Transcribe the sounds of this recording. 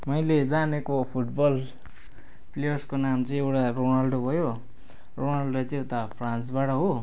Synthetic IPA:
mʌjled͡zanekopʰuʈbʌl | plejʌrskonamt͡sʌĩewʈaronalɖobʱʌjo | ronalɖot͡sewt̪apʰransbaʈʌɦo

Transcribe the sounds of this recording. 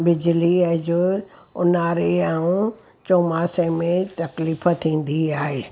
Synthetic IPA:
bɪd͡ʑliəd͡ʑo | ʊ̰naːɾeaːũ | t͡ɕoːmaːsemẽt̪ɐkliːfət̪ʰĩːn̆d̪iaːɦeː

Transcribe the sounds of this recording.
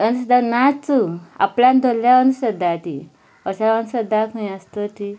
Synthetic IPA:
ənsəd̪anat͡sua̰pland̪ʱoljaənsəd̪ʱat̪ḭ | ɔsaənsəd̪ːakʰə̃j̃əst̪ot̪i

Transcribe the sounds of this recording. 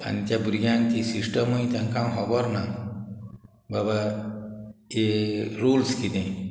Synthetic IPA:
a̰nit̪abuɾiɡant̪isisʈəmoĩt̪ɐŋkãw̃ɦɔbɔɾna | baba | eɾulskid̪ẽ

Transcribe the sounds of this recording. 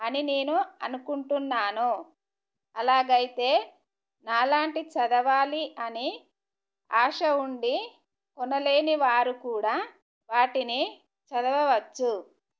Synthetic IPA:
ɐnine̞ːnuɐnukuɳʈunːaːnu | ɐlaːɡɐjit̪e̞ː | naːlaːɳʈit͡ʃɐd̪ɐʋaːliʔɐni | aːʂɐuɳɖi | kɔnɐle̞ːniʋaːɾukuːɽaː | ʋaːʈini | t͡ʃɐd̪ɐʋɐʋɐt͡ʃːu

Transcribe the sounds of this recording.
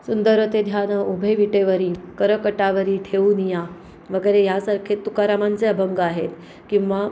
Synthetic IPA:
sund̪əɾət̪ed̪ʱjanəubʱeʋiʈeʋəɾiːkəɾəkəʈaʋəɾiːʈʰeʋunija | ʋəɡəjɾejasaɾkʰet̪ːukaɾamant͡seəbʱəŋɡaɦet̪ | kĩw̃ʋa

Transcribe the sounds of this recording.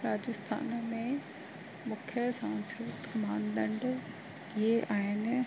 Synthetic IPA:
ɾaːd͡ʑɪst̪ʰa̰ːnmẽ | mʊkʰjəsãːnskɾɪt̪mãːnd̪ə̃ɳɖ | ieʔaːɦɪn̆

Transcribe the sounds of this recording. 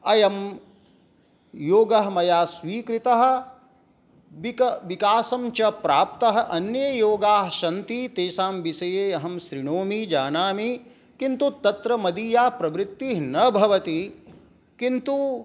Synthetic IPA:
ɐjɐm | joːɡɐɦɐmɐjaːsʋiːkɾit̪ɐɦɐ̆ | bikɐʋikaːsɐmt͡ʃɐpɾaːp̚t̪ɐɦɐ̆ʔɐnjɐjoːɡaːɦɐʃɐnt̪it̪eːʃaːmʋisɐjeːɐɦɐmʃɾiɳoːmid͡ʒaːnaːmi | kint̪ut̪ɐt̪ɾɐmɐd̪iːjaːpɾɐʋɾɪt̪ːiɦnɐbʱɐʋɐt̪i | kint̪u

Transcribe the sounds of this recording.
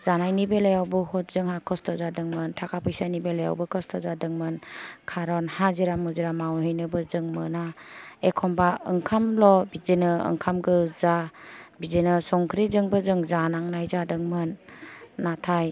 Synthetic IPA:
z̥anajnibelajawbɯhɔt̚z̥ɯŋhakʰɔstʰɔzadɯŋmɯntʰakʰapʰɯjsanibelaja̰wbɯkʰɔstʰɔzadɯŋmɯnkʰaɾɔnhaziɾamuziɾamawɦɯjnɯbɯzɯŋmɯnaekʰɔmbaɯŋkʰamlɔbizenɯɯ̰ŋkʰamɡɯzabizenɯsɔŋkʰɾizɯŋbɯzɯŋzanaŋnajzadɯŋmɯnː | atʰaj

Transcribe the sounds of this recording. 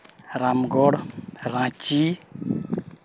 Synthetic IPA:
ɾamɡɔɽɾãt͡ʃi

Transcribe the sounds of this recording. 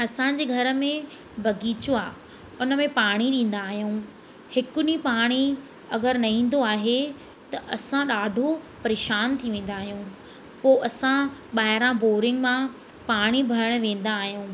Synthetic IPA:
ɐsã̆d͡ʑeːɡʱɐɾə̆mẽ | bʱɐɡiːt͡ɕoaː | ʊnə̆mẽpaːɽ̃iɗĩːn̆d̪aːɦijũː | hɪkʊnipaːɽ̃i | ɐɡəɾnɐĩːn̆d̪oaːɦe | t̪ɐʔɐsãɗaːɖʱopɐɾeːʃaːnt̪ʰiʋẽːn̆d̪aːɦijũː | poːʔɐsãɓaːɦɪɾãboːɾɪ̃ŋɡmã | paːɽ̃ibʱɐɾəɽ̃ʋẽːn̆d̪aːɦijũː

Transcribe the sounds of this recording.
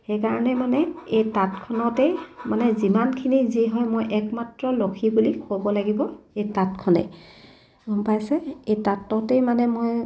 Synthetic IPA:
xejkaɹɔnɛmanɛejtatkʰɔnɔtɛjmanɛzimankʰiniziɦɔjmojʔɛkmatɹɔlokʰibulikobɔlaɡibɔejtatkʰɔnɛ̰ | ɔmpajsɛejtatːɔtɛjmanɛmoj

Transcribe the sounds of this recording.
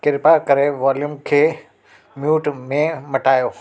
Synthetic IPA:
kɪɾpakɐɾeʋaːljumkʰeː | mjuːʈmẽmɐʈaːjoː

